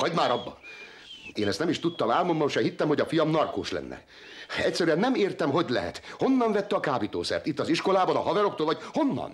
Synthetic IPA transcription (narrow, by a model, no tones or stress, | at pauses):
hɒɟmaːɾɒbːɒ | eːnɛst̪ɛmiʃt̪ut̪ːɒmaːlmombɒmʃɛhit̪ːɛmho̞ɟɒfijɒmnɒrkoːʃlɛ̰nːɛ̰ | ɛcʲsɛɾyɛnːɛmeːrt̪ɛmɦo̞ɟlɛ̰ɦɛ̰t̪ho̞nːɒɱvɛt̪ːɛɒkaːbit̪o̰ːsɛ̰rt̪it̪ːɒziʃko̞laːbɒnɒɦɒvɛɾokt̪oːlɒɟho̞nːɒ̰n